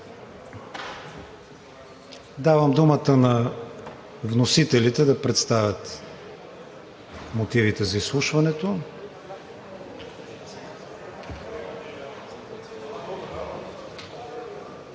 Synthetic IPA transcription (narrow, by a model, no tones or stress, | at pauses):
d̪avəmd̪umət̪ənɐ | vnosit̪ɛlit̪ɛd̪ɐpɾɛt̪st̪avʲjət̪ | mot̪ivit̪ɛzɐislˠuʃvɐnɛt̪o